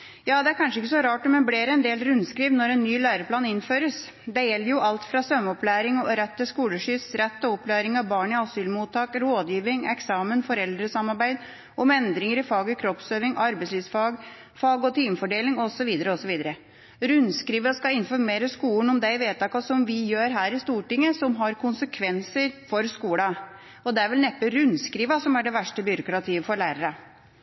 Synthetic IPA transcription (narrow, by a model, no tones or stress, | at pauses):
jɑːd̪ɛæɾkʰɑnʂəɪkːəsɔɾɑːʈɔmɛnbleːɾɛnd̪eːlɾʉnskɾiːʋnːɔɾɛnːyːlæːɾəpʰlɑːnɪnføːɾəs | d̪ɛjɛlːəɾjʊʔɑlt̪fɾɑsœmɔplæːɾɪŋɔɾɛt̪ːəskuːləʂʏːsɾɛt̪ːɔɔplæːɾɪŋɑʋbɑːɳɪɑsyːlmuːt̪ʰːɑːkɾoːd̪jiːʋɪŋɛksɑːmənfɔɾɛld̪ɾəsɑmːɑɾbæɪd̪ | ʔɔmɛnd̪ɾɪŋəɾɪfɑːɡəkʰɾɔpsøːʋɪŋʔɑɾbɛɪsliːʋsfɑːɡ | fɑːɡɔt̪ʰiːmfɔɖeːlɪŋɔsɔʋiːd̪əɾəɔsɔʋiːd̪əɾə | ɾʉnskɾiːʋɑskɑɪnfɔɾmeːɾəskuːln̩ɔmd̪ɛʋeːt̪ʰɑːkɑsɔmʋɪjøːɾɦæːɾɪst̪uːʈɪŋːəsɔmɦɑɾkʰʊnsəkʰʋɛnsəɾfɔɾskuːlɑ | ɔd̪ɛæɾʋɛlnɛpːəɾʉnskɾiːʋɑsɔmæɖɛʋæʂʈəbʏɾʊkɾɑt̪ʰiːʋəfɔɾɭæːɾəɾə